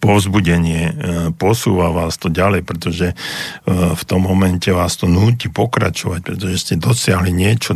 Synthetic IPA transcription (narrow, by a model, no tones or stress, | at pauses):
pɔʊzbuɟɛɲɪɛpɔsuːʋaʋaːst̪ɔɟalɛjpɾɛt̪ɔʒɛ | ft̪ɔmːɔmɛncɛʋaːst̪ɔnuːcipɔkɾat͡ʃɔʋac̚pɾɛt̪ɔʒɛscɛd̪ɔsɪaɦliɲɪɛt͡ʃɔ